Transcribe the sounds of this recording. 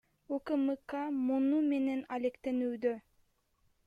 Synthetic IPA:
ukɯmɨkamunume̞ne̞nalekt̪e̞nyːd̪ø

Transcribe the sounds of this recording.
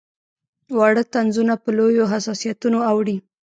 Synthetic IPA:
waɽət̪anzunapəlojoɦasɑsijat̪unoawɽi

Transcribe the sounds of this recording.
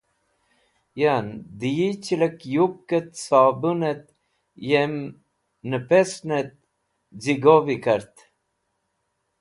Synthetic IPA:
jand̪ijit͡ɕələkjup̚kət̪sɑːbunet̪̚ | jɛm | nəpɛsnet̪̚ | ziɡovikəɾt̪

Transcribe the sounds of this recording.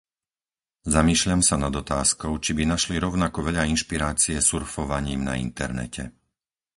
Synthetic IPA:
zamiːʃʎamsanad̪ɔt̪aːskɔʊt͡ʃibinaʃliɾɔʊnakɔʋɛʎainʃpiɾaːt͡siɛsuɾfɔʋaɲiːmna̰ḭnt̪ɛ̰ɾnɛ̰cʰɛ

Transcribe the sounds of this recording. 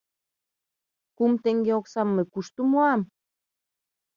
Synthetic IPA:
kumt̪eŋɡeoksɑmːəkuʃt̪umoɑm

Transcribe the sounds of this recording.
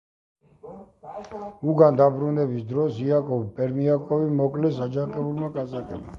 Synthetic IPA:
uɡand̪abɾunɛbisd̪ɾɔsiakʼɔvpʼɛɾmiakʼɔvimɔkʼlɛsad͡ʒakʼɛulmakʼasʼakʼɛ̰bma̰

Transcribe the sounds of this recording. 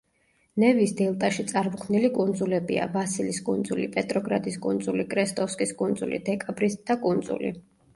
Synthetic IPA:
nɛvisd̪ɛlˠt̪ʼaʃit̪sʼaɾmkʰmnilikʼund̪zulɛbia̰vasiliskʼund̪zulipʼɛt̪ʼɾɔɡɾa̰d̪iskʼund̪zulikʼɾɛst̪ʼɔfskʼiskʼund̪zulḭd̪ɛkʼabɾisd̪̥akʼund̪zṵlḭ

